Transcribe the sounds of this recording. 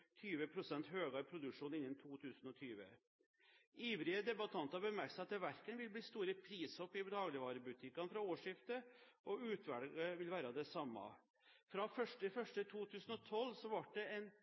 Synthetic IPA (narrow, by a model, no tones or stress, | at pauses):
t̪ʰyːʋəpʰɾʊsɛnt̪ɦøːɡɑɾpʰɾʊd̪ʉkʂuːnɪnːənt̪ʰuːt̪ʰʉːsnɔt̪ʰyːʋə̰ | iːʋɾɪəd̪ɛbɑt̪ʰɑnt̪ɑɾbəmæɾksɑt̪ːəʋæɾkənʋɪlbliːst̪uːɾəpʰɾiːsɔpːɪbɛd̪ɑːɡlɪʋɑːɾəbʉt̪ʰɪkːɑnfɾɑoːʂɪft̪ə | ʔɔʉːt̪ʰʋæɽɡəʋɪlʋæːɾɑd̪ɛsɑmːɑ̰ | fɾɑfœʂʈəfœʂʈət̪ʰuːt̪ʰʉːsnɔt̪ʰɔlːsɔʋɑʈ̚ɖɛɛn